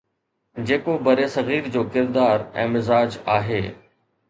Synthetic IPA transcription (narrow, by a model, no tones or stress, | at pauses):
d͡ʑeːkobɐɾesɐɣiːɾd͡ʑoːkɪɾd̪aːɾɛ̰̃ːmɪzaːd͡ʑaːɦḛː